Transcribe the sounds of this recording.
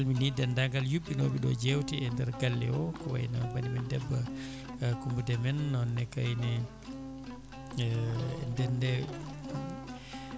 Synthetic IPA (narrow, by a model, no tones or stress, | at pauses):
lminidɛndaŋɡaljuɓːinɔbiɗɔ̰d͡ʒewtiɛndɛɾɡalːɛ̰wɔkɔwa̰jnawbanimɛndɛbːa | kumbudɛmɛnːɔnːɛkajnɛ | ndɛndɛ